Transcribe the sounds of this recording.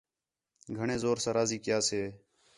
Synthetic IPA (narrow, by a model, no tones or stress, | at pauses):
ɡʱəɳẽːzoːɾsãːɾaːziːkɪjaːseː